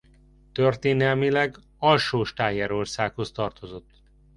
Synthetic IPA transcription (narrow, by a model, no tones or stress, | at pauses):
t̪ørt̪eːnɛlmilɛɡ | ɒlʃoːʃt̪aːjɛɾo̞rsaːkho̞st̪ɒrt̪o̞zo̞t̪ː